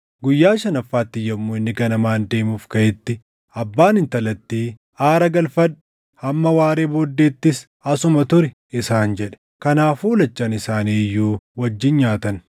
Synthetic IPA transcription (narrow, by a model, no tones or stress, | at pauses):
ɡʊjːaːʃɐnɐfːaːt̪ːɪjːɐmːuːɪnːɪɡɐnɐmaːnd̪e̞ːmuːfkɐɛt̪ːɪ | ɐbːaːnɪnt̪ɐlɐt̪ːiː | aːɾɐɡɐlfɐᶑʊ̥ | hɐmːɐwaːɾe̞ːboːd̪ːe̞ːt̪ːɪs | ɐsʊmɐt̪ʊɾɪ | ɪsaːnd͡ʒɛᶑɛ̥ | kɐnaːfuːlɐt͡ʃːaːnɪsaːniːjːuːwɐd͡ʒːɪnɲaːt̪ɐn